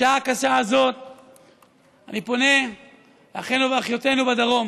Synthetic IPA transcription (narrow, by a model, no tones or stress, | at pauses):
aakaʃaːzo̞t̪̚ | anipo̞ne̞ | eaχenuveaχjo̞t̪e̞nubad̪aʁo̞m